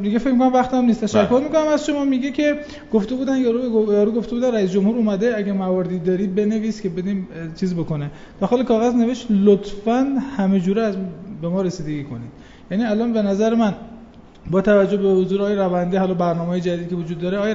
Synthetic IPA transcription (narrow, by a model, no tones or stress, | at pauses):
d̪iɡefecmikonæmvæxt̪æmnist̪ʰæʃækkːo̞ɾmikʰonæmæzʃo̞mɒːmiɡecʲʰe̞ | ɡ̥oft̪ebuːd̪ænjɒɾujɒːɾuːɡo̞ft̪ebud̪ænræiːs̬d͡ʒo̞mhuːɾumæd̪eæɡæɾmævɒɾed̪id̪ɒːɾiːd̪̚be̞ne̞viːskʲʰe̞be̞d̪imt͡ʃʰiːzbo̞ko̞ne | d̪̥ɒxɑːlekʰɒːɣæzne̞veʃt̪lot̪ʰfænhæme̞d͡ʒuːɾɛæzbemɒːɾesiːd̪eɡiːkʰo̰nḭd̪̥ | jæniælɒːnbe̞næzæɾemæn | bɒːt̪ʰævæd͡ʒːohbehozuːɾeɒːjeɾævænd̪ihɒːlɒːbæɾnɒːmehːjed͡ʒæd̪id̪cʰe̞vod͡ʒud̪ːɒːɾeɒːj